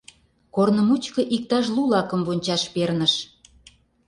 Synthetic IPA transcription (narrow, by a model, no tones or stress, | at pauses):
kornə̆mut͡ɕkɤ̆ʔik̚t̪ɑʃ̬lulɑkə̆mβonʲt͡ɕɑʃpernəʃ